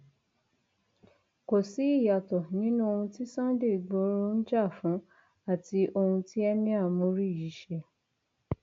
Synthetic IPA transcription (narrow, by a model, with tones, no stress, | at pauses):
ko˨si˨˦i˦˨ja˨tɔ˨nĩ˦nũ˦o˧hũ˧ti˦sã˦de˦˨ɡ͡bo˧˦ɾo˦n̩˦d͡ʒa˦˨fũ˨˦ | a˦˨ti˧ʔo˧hũ˧ti˦ɛ˦mĩ˦a˦˨mũ˨˦ɾi˦˨ji˨˦ʃɛ˧